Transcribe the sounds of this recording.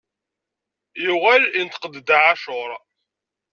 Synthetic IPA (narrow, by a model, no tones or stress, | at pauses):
jiʁælint̪qəd̪d̪aʕaʃʊɾˤ